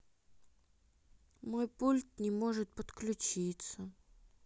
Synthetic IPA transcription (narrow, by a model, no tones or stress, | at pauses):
mojpulʲt̪̚nʲɪmoʐɨt̪̚pət̪klʲʉt͡ɕit̪sə